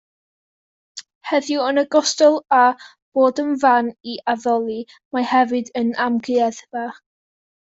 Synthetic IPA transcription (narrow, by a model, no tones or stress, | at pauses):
hɛðjuənəɡɔstɔlˠa | b̥oːdənvaniʔaðɔlˠi | mahɛvɨdənamɡɨɛðva